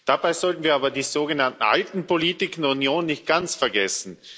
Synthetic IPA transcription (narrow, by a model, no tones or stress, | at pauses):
d̥abaɪzɔltn̩viːɐaːbɐdiːz̥oːɡənantn̩ʔa̰ltn̩poliːtɪkndɛɐunjoːnːɪçt̚ɡ̥ant͡sfɛɐɡɛsn̩